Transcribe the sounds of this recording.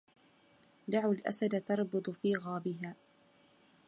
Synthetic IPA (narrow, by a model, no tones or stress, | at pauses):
d̪aʕwalʔa̰sad̪at̪ɑɾˤbɨd̪ˤʊfiːɣɑːbɪɦaː